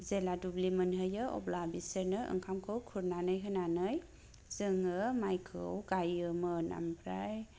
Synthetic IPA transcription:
zeladublimɯnɦɯjɯɔ̰blabisəɾnɯɯ̰ŋkʰamkʰɯwkʰuɾnanɯjɦɯnanɯj | zɯŋɯmajkʰɯ̰wɡajɯmɯna̰mpʰɾaj

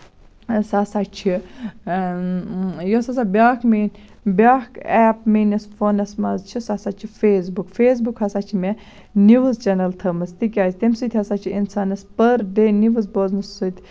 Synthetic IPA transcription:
sasat͡ʃʰi | josas̬abʲaːkmiːn | bʲaːkɛːpmiːnɐsfoːnɐsmɐzt͡ʃʰisasat͡ʃʰifeːs̬bukfeːs̬bukhɐsat͡ʃʰime | niʋɨzt͡ʃɐnɐlt̪ʰɐmɐst̪ikʲaːzʲt̪emsɨt̪ʰʲhɐsat͡ʃʰiinsaːnɐspəɾd̪eniʋɨzboːznɨsːɨt̪ʲʰ

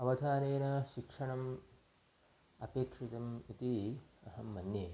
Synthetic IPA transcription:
ɐʋɐd̪ʱaːneːnɐʃikʂɐɳɐm | ɐpeːkʂit̪ɐmit̪iɐɦɐmːɐnjeː

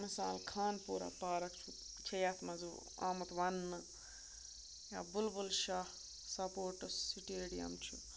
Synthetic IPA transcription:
misaːlkʰaːnpuːɾa̰ːpaːɾɐkt͡ʃʰu | t͡ʃʰɐjaːt̪mɐzu | a̰ːmɐt̪ʋɐnːɨ | ja̰ːbulbulʃaːh | sɐpoːʈɨsːiʈieːɽijɐ̰mt͡ʃʰu

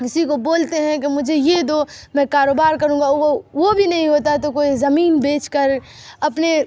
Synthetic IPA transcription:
ɪsikoboːlt̪eɦɛ̃k̬emʊd͡ʒʱejed̪oːmɛ̃ːkaːɾoːbaːɾkɐɾũːŋɡaoʋobʱinɐɦĩɦoːt̪̬aɦɛt̪okoːizɐmiːnbeːt͡ʃkəɾɐpne

